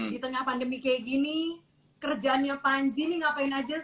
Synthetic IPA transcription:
dit̪əŋahpandəmikeɡini | kərd͡ʒaːnɲapaɲd͡ʒinɪŋapaɪnad͡ʒa

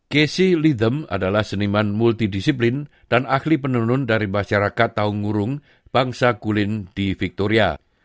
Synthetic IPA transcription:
kesilid̪əma̰dalahsənimanmult̪idisiplɪn | d̥anahlipənunʊndaɾimaʃaɾakat̪ːaʊŋuɾʊŋ | b̥aŋsakulɪnd̥ifik̚t̪oɾia̰

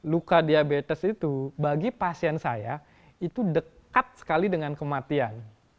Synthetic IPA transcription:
lukadiabet̪əsit̪ubaɡipasiɛnsaja | it̪udəkat̪̚sə̥kalidəŋankəmat̪ian

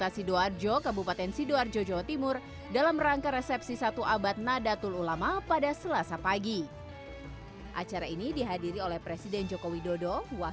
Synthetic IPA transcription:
t̪asidoard͡ʒokabupat̪ɛnsidoard͡ʒod͡ʒawat̪imʊr | dalamraŋkaɾesɛpsisat̪uʔabat̪̚nadat̪ululamapadasəlasapaɡi | ʔa̰t͡ʃaɾainidiɦadiɾiolɛhpɾɛsidɛnd͡ʒokowidodowa

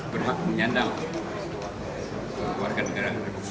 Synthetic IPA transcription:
pərɦaʔ̚məɲandaŋ | məluwarkanːəɡaɾa

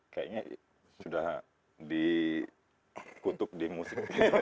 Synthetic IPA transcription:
kaiŋa | sudah | di | kut̪ʊk̚dimusɪk̚

